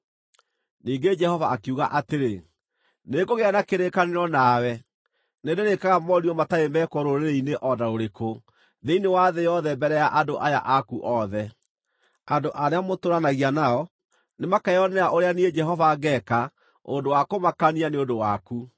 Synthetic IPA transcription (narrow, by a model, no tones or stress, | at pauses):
niːɡed͡ʒɛhɔvaːkeuɣaʔateɾe | neɡoɣeanakeɾekaneɾɔnawɛ | nendeɾekaɣamɔɾiɔmataemɛkɔɾoɾeɾeineʔɔdaɾoɾeko | ðeinewaðɛjɔðɛmbɛɾɛjaʔadoʔaja̰ʔakuʔɔðɛ | andoʔaɾeamotoɾanaɣianaɔ | nemakaɔnɛaʔoɾeanied͡ʒɛɦɔvaɣɛka | o̰ndowakomakanianeondowaku